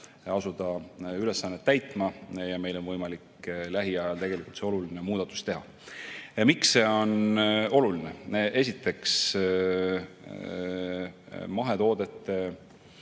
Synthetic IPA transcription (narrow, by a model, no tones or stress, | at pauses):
ɑsud̪̥ɑyle̞sːɑnːet̪ːæjt̪ˑmɑjɑme̞jlo̞nvɤjmɑliklæɦiɑjɑlt̪e̞ɡ̥e̞likːˑult̪seo̞lulinemuːd̪̥ɑt̪ːˑu̥st̪e̞ɦɑ̰ | miksːe̞o̞no̞lulineʔe̞s̬ʲit̪ːe̞ks | mɑɦe̞t̪o̞ːd̪̥e̞t̪ːe̞